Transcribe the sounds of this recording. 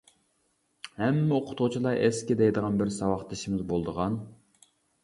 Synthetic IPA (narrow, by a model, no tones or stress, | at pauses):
hɛmːɪoqʰʊ̥t̪ʊt͡ʃʰilˠɑɾʔɛskʲid̪ɛjd̪əʁɑnbɪɾsɑwɑχt̪ʰɪʃimɪzbolˠd̪əʁɑn